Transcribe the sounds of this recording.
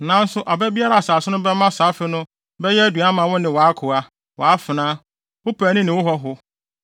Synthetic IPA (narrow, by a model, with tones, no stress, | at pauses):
nã˨˦n̩˦sʊ˦ʔa˨bɛ˦bi˦a˦ɾa˨a˨saː˨sʊ˦nʊ̃˦bɛ˦mã˦saː˨˦fɪ˦nʊ̃˦ | bɛ˦jɛ˦æ˦du˨a˦mã˨wʊ˦nɪ̃˨wɔ˨a˦kʰʊ˨a˦ | wɔ˨a˦fɪ˨nãː˦ | wʊ˦pʰæ˨˦nɪ̃˦nɪ̃˨wʊ˦ɦɔ˦ɦʊ˦